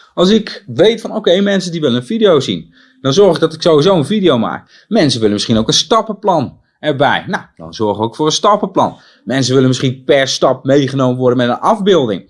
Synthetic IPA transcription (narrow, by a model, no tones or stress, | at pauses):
ʔɑlˠs̬ɪkʋejtfɔnowkejmɛnsəndiʋɪlənənvidijowzḭn | d̥ɔnzɔɹχɪk̚dɔtɪ̥ksowhizowənfidijowma̰ːk̚ | mɛnsəʋɪlənmɪsχinowkənstɑpəplɑn | ɛɹbɛ̰jnawd̥ɔ̰nzɔɹχəokfʊːrənstɑpəplɑ̰n | mɛnsəʋɪlənmɪsχinpɛɹstɑp̚mejχənowməʋɔɹdənmɛtənɑvbɪːlˠdɪ̰ŋ